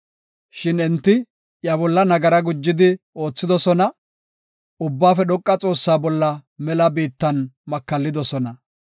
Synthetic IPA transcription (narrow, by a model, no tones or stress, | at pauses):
ʃɪnɛnt̪ːɪ | jɐbɔlːɐnɐɡɐɾɐɡʊd͡ʒːɪd̪ɪ | o̞ːt͡sːɪd̪ɔsɔnɐ | ʊbːaːfɛɗɔkʼːɐt͡sʼo̞ːsːaːbɔlːɐmɛlɐbiːt̪ːɐnmɐkːɐlːɪd̪ɔsɔnɐ